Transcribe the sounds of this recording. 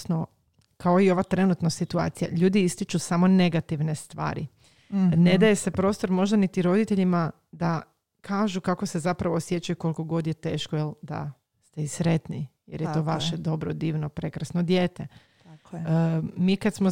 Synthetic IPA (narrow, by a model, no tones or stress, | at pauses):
no | kao̞io̞ʋat̪ɾe̞nut̪nosit̪ua̰ːt̪sija̰ʎuːd̪iist̪it͡ʃusamo̞ne̞ɡat̪iʋne̞st̪ʋa̰ːɾḭ | ned̪aje̞se̞pɾo̞ːst̪o̞ɾmo̞ʒd̪anit̪iɾo̞d̪it̪e̞ʎima | d̪a | kʰaːʒukako̞se̞zapɾaʋoːsjet͡ʃajukolko̞ɡo̞d̪jet̪e̞ːʃkojeld̪a̰ | st̪eisɾe̞t̪nijeɾjet̪oʋaʃed̪o̞bɾod̪iːʋno̞pɾe̞kɾasnod̪jeːt̪e | miːkad̪smo